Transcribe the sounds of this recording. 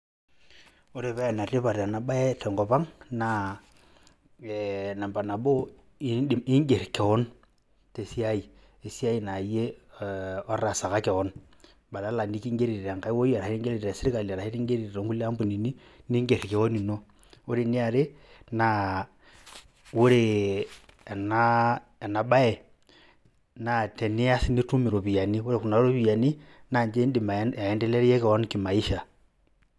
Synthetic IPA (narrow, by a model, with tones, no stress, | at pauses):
o˦ɾe˨pɛ˦a˨na˨re˦pa˨ɾa˨na˨ɓa˦ɛ˦tɔ˨ŋɡɔ˨pa˦ŋna˨ | na˨mba˨na˨bo˦˨ | ɪ˦ŋɡe˨ɾkɛ˨ɔ˦n | te˨si˦a˦i˨ | e˨si˦a˦i˨na˨je˦˨ | ɔ˦ra˨sa˨ka˦kɛ˨wɔ˦n | ba˨la˨˦la˨ni˦ki˦ŋɡe˦ɾi˨ɾa˨ŋka˦i˦wo˦ja˨ɾa˨˦i˦ŋɡe˦li˨ɾɾa˨sɪ˦ɾɪ˦ka˨la˨ɾa˨e˦ti˦ŋɡe˦ɾi˨ɾe˨ɾo˨˦ŋku˦lːe˦a˦mbu˨ni˨ni˦ni˦ŋɡe˨ɾi˨ke˦ɣo˦ni˨no˦ | u˦ɾi˦ni˦a˨ɾe˦ | na | wu˦ɾe˨ | na˦ | e˨na˨ɓa˦e˨ | na˨te˨ni˦a˦si˦ni˦tu˦mi˨ɾo˨βi˨ja˨ni˦wu˦ɾe˦ku˨na˨˦o˦βi˨ja˨ni˦na˨ɲd͡ʒe˦i˦ndi˨ma˨e˦nde˦le˦ɾje˦keo˦nki˨ma˨i˦ʃa˨